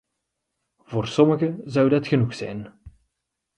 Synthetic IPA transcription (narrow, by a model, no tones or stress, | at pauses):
v̥oːrsɔməɣəzɑwdɑtxənuxsɛ̰jn